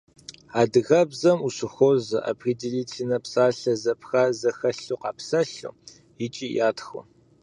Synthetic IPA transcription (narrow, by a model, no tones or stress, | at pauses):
aːdɨɣɐbzɐmuɕɪxʷozɐ̰ʔa̰pʰridiliːtʰinɐpsaːɬɐzɐpʰxaːzɐxɐɬuqɑ̰ːpʰsɐɬṵ | jɪt͡ʃʼiːjaːtxʷʊ̰